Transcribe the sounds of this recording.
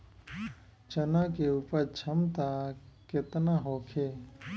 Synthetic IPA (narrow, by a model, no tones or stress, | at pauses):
t͡ʃənãkeupət͡ʃʰəmt̪aket̪naɦoːkʰe